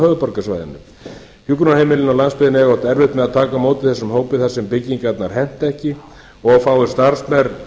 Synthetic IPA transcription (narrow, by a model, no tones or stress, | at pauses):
hœːðʏpɔɾkasva̰ːjðɪ̰nːʏ̰ | hjukɾʏnahejmɪlɪnawlanspɪðɪnɛɣɔwt̪ɛɾvɪht̪mɛðaðt̪ʰaːkamoːwt̪ɪθɛsːʏmhoːwpɪθasɛmpɪcːiŋkat̪naɾ̥hɛn̥t̪ɛhcɪ | ɔɣfaːwɪ̥st̪aɾsmɛɾ